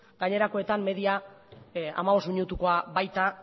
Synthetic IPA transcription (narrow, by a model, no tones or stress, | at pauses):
ɡ̥aɲe̞ɾako̞et̪amːe̞ðia | a̰maβ̞o̞smiɲut̪uko̞aβajt̪a